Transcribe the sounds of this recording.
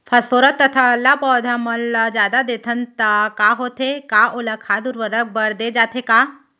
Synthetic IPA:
fʰɐsfoɾət̪ːɐt̪ʰalapɔːd̪ʱamɐld͡ʒjaːd̪ad̪et̪ʰɐnt̪akaːɦoːt̪ʰekaːʔolakʰaːd̪uɾʋəɾək̚bɐɾd̪ed͡ʒaːt̪ʰekaː

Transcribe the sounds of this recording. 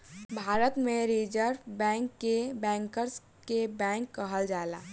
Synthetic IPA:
bʱaːɾət̪mẽɾid͡ʒəɾbbɛ̃ːŋkːebɛ̃ːŋkəɾs | kebɛ̃ːŋkːəɦəld͡ʒaːla̰ː

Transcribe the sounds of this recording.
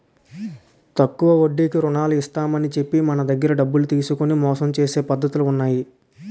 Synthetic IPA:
t̪ɐkːuʋɐʋoɖːiːkiɾuɳaːluist̪aːmɐnit͡ʃe̞pːimɐnɐd̪ɐɡːɐɾɐɖɐbːulut̪iːsukunimɔːsɐmt͡ʃe̞ːse̞ːpɐd̪ːɐt̪uluːnːaːji

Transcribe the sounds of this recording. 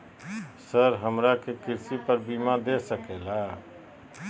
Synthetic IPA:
səɾɦəmɾakekɪɾsipəɾbiːmad̪eːsəkeːlaː

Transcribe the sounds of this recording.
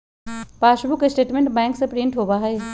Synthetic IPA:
paːʃbukesʈeːʈmẽɳʈbɛ̃ːŋksepɾieɳʈɦobaɦɛe

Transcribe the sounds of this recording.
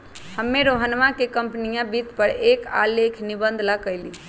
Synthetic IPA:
həmːeɾoɦənmãkekəmpnijãbit̪pəɾeka̰lekʰnibənd̪ʱlakəjli

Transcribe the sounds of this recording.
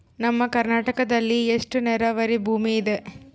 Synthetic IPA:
nɐmːɐkɐɾnaːʈɐkɐd̪ɐlːieʂʈunɛɾɐʋɐɾibʱuːmijid̪e

